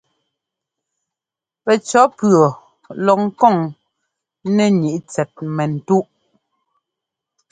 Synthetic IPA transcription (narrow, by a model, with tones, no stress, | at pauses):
pɛ˨t͡ʃɔ˨˦pɰɔ˨ | lɔ˨ŋ̩˦kɔ˦˨ŋ | nɛ˦ɲi˨ʔt͡sɛ˨t̚mɛ˨n̩˨tu˦ʔ